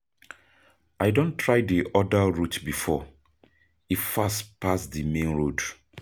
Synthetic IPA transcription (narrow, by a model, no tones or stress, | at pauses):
ajdõntʰːɹaɪdiʔɔdaɹutbifɔ | ifastpasdimẽnɹod